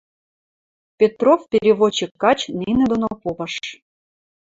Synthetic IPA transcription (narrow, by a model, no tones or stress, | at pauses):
pʲet̪rofpʲeɾʲiβot͡ɕːikːɑt͡ɕninʲed̪onopopəʃ